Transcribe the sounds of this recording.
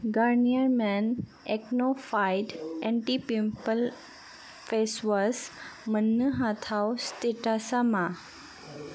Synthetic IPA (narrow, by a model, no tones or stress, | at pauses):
ɡaɾnijəɾmɛn | eknofajɖɛ̃ɳʈipimpəl | fesʋəsmənːəɦat̪ʰawst̪eʈasamã